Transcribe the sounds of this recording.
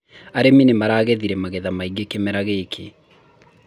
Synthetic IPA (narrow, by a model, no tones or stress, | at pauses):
aɾeminemaɾaːɣeðiɾɛmaɣeðamaiɡekemɛɾaɣekʰe